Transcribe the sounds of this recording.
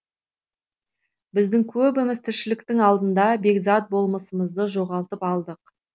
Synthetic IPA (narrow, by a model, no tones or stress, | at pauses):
bɪzd̪ɪŋkʲʰɵbɪmɪzt̪ʰɪɾʃɪlɪkt̪ɪŋɑlˠd̪ənd̪ɑbe̞ɡzɑt̪̚bo̞lˠməsəməzd̪əʒo̞ʁɑlˠt̪əpɑlˠd̪əq